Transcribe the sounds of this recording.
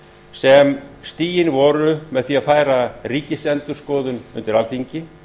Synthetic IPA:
sɛmst̪iːjɪnvɔːɾʏmɛðθiːaðfaːjɾariːcɪsɛnt̪ʏɾ̥skɔːðʏnʏ̰nt̪ɪɾalθiɲcɪ

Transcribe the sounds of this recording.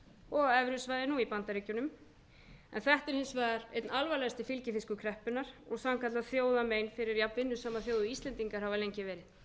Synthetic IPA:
ɔɣɛvɾʏsvaːjðɪnuipant̪aɾiːcʏnʏm | ɛ̰nθɛht̪ɛɾhɪnsvaːðaɾḛjt̪nalvalɛst̪ɪfɪlcɪfɪskʏkʰɾɛhpʏnːaɾ̥ɔɣsamkat̪laθjoːwðameːjnfɪɾɪɾjapvɪnːʏsaːmaθjoːwðʏist̪lɛnt̪iŋkaɾ̥havalejɲcɪvɛːɾɪð

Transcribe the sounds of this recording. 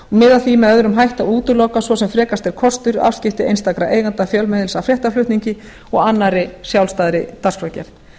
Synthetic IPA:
ɔmɪðaθimɛðœðɾʏmɦajht̪auːt̪ʏloːwkasvɔsɛmfɾɛːkast̪ɛɾ̥kʰɔst̪ʏɾa̰fscɪft̪ɪḛjnst̪akɾaʔeːjɣant̪afjœlmɛðɪlsafɾjɛht̪aflʏht̪niɲcɪ | ɔɣanːaɾɪsjawlst̪aːðɾɪt̪arskɾœcɛɾ

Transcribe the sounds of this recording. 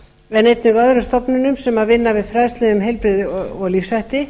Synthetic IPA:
ɛnejt̪nʏɣœðɾʏmst̪ɔpnʏnʏmsɛmaðvɪnːavɪðfɾajðslɛʏmɦejlpɾɪðɔɣlifsajht̪ɪ

